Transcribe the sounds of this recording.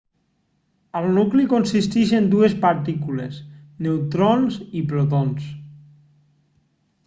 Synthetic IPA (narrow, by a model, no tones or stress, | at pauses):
əlˠnuklikonsist̪iʃend̪uespaɾt̪ikulesnewt̪ɾonzipɾot̪ons